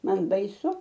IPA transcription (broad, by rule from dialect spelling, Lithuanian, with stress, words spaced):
ˈmɐn bɐɪˈsʊ